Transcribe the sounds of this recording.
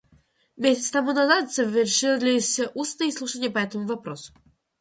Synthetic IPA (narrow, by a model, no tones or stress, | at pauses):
mʲesʲɪt̪st̪ɐmunɐzat̪z̥əvʲɪrʂɨlʲɪsʲʔusnɨjəslˠuʂənʲɪjəpɐɛt̪əmʊvɐpɾosʊ̥